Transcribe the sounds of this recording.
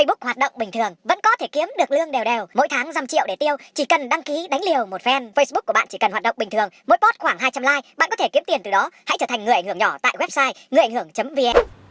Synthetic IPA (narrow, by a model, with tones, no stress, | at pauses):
ə˧jɓʊ˦˥k̚hwaː˨˩t̚ɗə̰˧˨wŋ͡mɓï˨˩ŋ̟t̪ʰɨ˨˩əŋvə̰˧˥nkɔ˨˦t̪ʰe˧˩ki˨˦əmɗɨ˨˩ək̚lɨ˧əŋɗe˨˩wɗe˨˩wmo̰˧˥jt̪ʰaː˨˦ŋza˨˧˩mt͡ɕḭ˧˨əwɗe˧˩t̪i˧əwt͡ɕi˧˩kə˨˩nɗa˧ŋki˨˦ɗa˨˦ŋ̟li˨˩əwmo˨˩t̚fɛ˧nfə˧jsɓu˦˥k̚ːu˧˩əɓ̰aː˧˨t͡ɕi˧˩kə˨˩nhwaː˨˩t̚ɗə̰˧˨ŋ͡mɓï˨˩t̪ʰɨ˨˩əŋmo̰˧˥jpɔ˦˥t̚xwaː˧˩ŋɦaː˧jt͡ɕa˧mlaː˧jɓa̰ː˧˨nkɔ˨˦t̪ʰe˧˩ki˨˦mt̪i˨˩ənt̪ɨ˨˩ɗɔ˨˦ha̰˧˥t͡ɕəː˧˩t̪ʰŋ̟ɨ˨˩əja˧˨ŋ̟hɨ˧˩əŋɲɔ˧˩t̪a̰ː˧˨jwɛ˦˥p̚saː˧jŋɨ˨˩jʔŋ̟hɨ˧˩əŋt͡ɕə˨˦mvi˧ɛ˧